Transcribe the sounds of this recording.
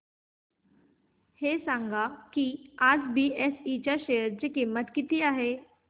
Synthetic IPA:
heːsãŋɡʱakiaːd͡zbiɛsit͡ɕaʃejəɾd͡ʑekimət̪kit̪iaːɦe

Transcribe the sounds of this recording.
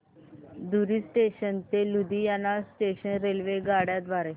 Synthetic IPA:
d̪uɾiːsʈeɕənt̪elud̪ijanːasʈeɕənɾelʋeɡaɽjad̪ʋaɾe

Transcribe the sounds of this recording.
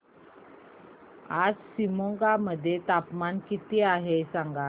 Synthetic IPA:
ad͡zsimoŋɡaməd̪ʱːjet̪apmankit̪iaɦesãŋɡa

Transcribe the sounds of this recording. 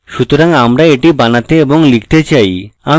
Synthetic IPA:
ʃut̪oɾaŋamɾaeʈibanat̪eeboŋlikʰt̪et͡ɕaja

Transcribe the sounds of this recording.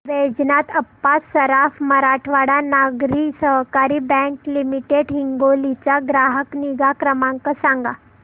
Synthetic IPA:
ʋed͡znat̪əpːasəɾafməɾaʈʰʋaɽanaɡɾiːsəɦkaɾiːbɛ̃ŋklimiʈeɽɦiŋɡolit͡ɕaɡɾaɦəkniɡakɾəmaŋkəsãŋɡa

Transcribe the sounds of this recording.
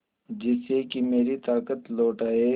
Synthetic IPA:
d͡ʒɪsekimeːɾit̪aːkət̪loːʈaːe

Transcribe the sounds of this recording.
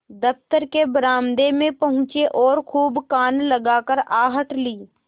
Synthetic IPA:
d̪əft̪əɾkebɾaːmd̪emẽpɐɦʊ̃t͡ʃeʔɔːɾkʰuːbkaːnlɐɡaːkəɾaːɦəʈliː

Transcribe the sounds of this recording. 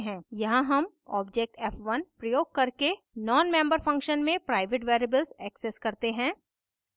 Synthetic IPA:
ɦɛ̃ːjɐɦãɦɐm | ɔ̰ːbd͡ʒek̚ʈɛːfʋɐnpɾɐjoːɡ̚kɐɾke | nɔːnmɛ̃ːmbəɾfɐ̃ŋkʃənmẽpɾaːɪʋeʈʋeːɾebəlzɛːkseskɐɾt̪eɦɛ̃ː

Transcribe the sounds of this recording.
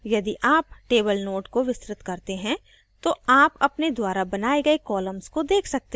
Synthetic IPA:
jɐd̪iʔaːp̚ʈeːbəlnoːʈkoʋɪsɾɪt̪kɐɾt̪eɦɛ̃ | t̪oaːpɐpned̪waːɾabɐnaːeɡɐekɔːləmskod̪eːkʰsɐk̚t̪e

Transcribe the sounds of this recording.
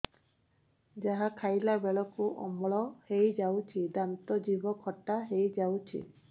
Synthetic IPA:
d͡ʒaɦakʰajlabɛɭɔkuʔɔ̰mɔɭɔhejd͡ʒawt͡ʃʰid̪amt̪ɔd͡ʒibɔkʰɔtaɦejd͡ʒawt͡ʃʰḭ

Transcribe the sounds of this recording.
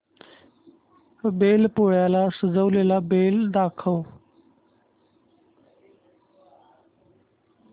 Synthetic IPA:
beːlpoːjaːlaːsəzəwleːlaːbeːld̪aːkʰəː

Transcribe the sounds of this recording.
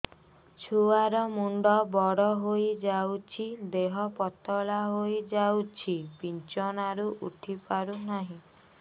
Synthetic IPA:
t͡ʃʰuaɾɔmuɳɖɔbɔɽɔɦojd͡ʒawt͡ʃʰid̪eɦɔpɔt̪ɔlaɦojd͡ʒawt͡ʃʰipint͡ʃɔnaɾuʔuʈʰipaɾunaɦĩ

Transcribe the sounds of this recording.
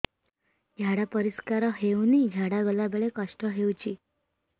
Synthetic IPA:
ɡʱjaɽapəɾiskaɾɔɦewniɡʱaɽaɡəlabeɭekəʂʈəɦewt͡ɕiː

